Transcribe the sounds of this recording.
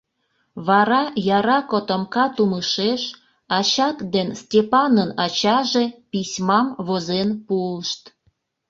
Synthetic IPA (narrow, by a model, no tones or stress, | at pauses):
βɑɾɑjɑɾɑkot̪əmkɑt̪uməʃeʃ | ɑt͡ɕɑt̪d̪enstʲepɑnənɑt͡ɕɑʒepisʲmɑmβozenpulʃt̪